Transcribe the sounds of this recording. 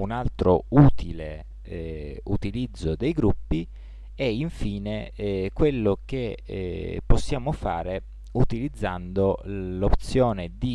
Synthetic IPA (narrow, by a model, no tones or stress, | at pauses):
unalt̪ɾouːt̪ʰile | ut̪ilid̪zːod̪ejɡɾupːi | ɛiɱfiːnekwelːoke | pːosːjaːmofaːɾe | ut̪ilid̪zːand̪olopt̪sjɔːned̪i